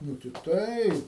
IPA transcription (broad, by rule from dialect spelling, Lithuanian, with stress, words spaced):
ˈnuː tʲɪ ˈtɐɪ